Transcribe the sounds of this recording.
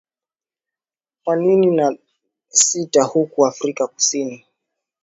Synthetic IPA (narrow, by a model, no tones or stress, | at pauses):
kwaninina | sitahukuafɾikaku̥sini